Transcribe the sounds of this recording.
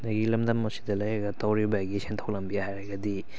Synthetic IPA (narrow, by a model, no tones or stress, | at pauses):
naɡilɐmdɐmːɐsi̥dɐlɐjɐɡɐtawɾibaɡisentʰawlɐmbijahajɾɐɡɐdi